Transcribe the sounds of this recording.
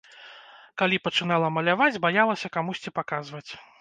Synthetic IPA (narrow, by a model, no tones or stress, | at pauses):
kalʲipɐt͡ʂɨnalˠɐmɐlʲavad͡zʲbajalˠɐsʲɐkamusʲt͡sʲipakazvɐt͡sʲ